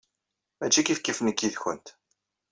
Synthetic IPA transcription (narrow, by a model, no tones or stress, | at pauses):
mæt͡ʃːikifkːifnəkːiðçənt̪